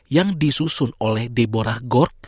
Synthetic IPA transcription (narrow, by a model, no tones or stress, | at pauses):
jaŋdisusʊnolɛhdeboɾahɡɔrk̚